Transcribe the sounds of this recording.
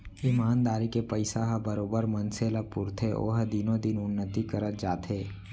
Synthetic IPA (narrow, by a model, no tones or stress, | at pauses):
ɪmaːnd̪aːɾikepəɪsaɦɐbəɾoːbəɾmɐnseləɡ̚pʊːɾt̪ʰeʔo̰ːɦəd̪ɪnõd̪ɪnʊnːət̪ikəɾət̪̚d͡ʒaːt̪ɦeː